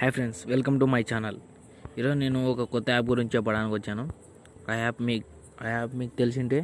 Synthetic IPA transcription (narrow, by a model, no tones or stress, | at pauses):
haːpʰɾeɳɖsʋelkɐmʈumɐjt͡ʃaːnɐl | iɾoːd͡ʒune̞ːnuɔkɐkɔt̪ːɐaːp̬̚ɡuɾiɲt͡ʃt͡ʃɛːp̬ːɐɽaːnikʲiʋɐt͡ʃːaːnu | ajaːpmiːk | ajaːpmiːkut̪elis̬iɳʈeː